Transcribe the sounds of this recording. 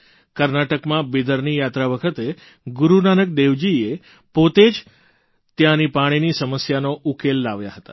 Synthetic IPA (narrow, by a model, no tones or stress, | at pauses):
kəɾnaʈəkmãbed̪əɾnijat̪ɾaʋəkʰət̪e | ɡuɾunanək̚d̪eʋd͡ʒie | pot̪ed͡ʒ | t̪jãnipaɽ̃inisəməsjanoʔukelːaʋja̰ɦət̪ḁ